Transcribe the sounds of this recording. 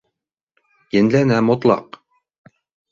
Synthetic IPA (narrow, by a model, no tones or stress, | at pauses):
jɘ̆nlænæmŏt̪lˠɑ̰q